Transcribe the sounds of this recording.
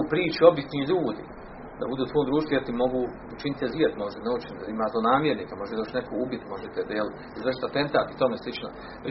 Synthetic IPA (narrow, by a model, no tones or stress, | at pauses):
upɾiːt͡ʃio̞bisniːʎuːd̪ḭ | d̪a̰bud̪uːt̪ʋoːmd̪ɾuːʃt̪ojeɾt̪imo̞ɡu | ut͡ʃinit̪eziet̪moʒd̪eneut͡ʃinit̪imaːzlˠonaːmjeɾniːkamoet̪d̪oʃnekʰoubit̪mo̞ʒet̪ed̪jel | izʋrʃ̬i̥t̪at̪e̞nt̪aːt̪i̥t̪omeslˠit͡ʃno̰ | p